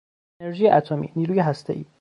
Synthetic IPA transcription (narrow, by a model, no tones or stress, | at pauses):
eneɾʒiːjeʔæt̪ʰomḭːniːɾuːjeɦæst̪ʰeʔḭː